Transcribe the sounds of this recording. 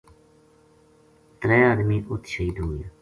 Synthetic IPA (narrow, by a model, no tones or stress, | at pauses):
t̪ɾɛːaːd̪miːʔʊt̪ʰʃəiːd̪uːj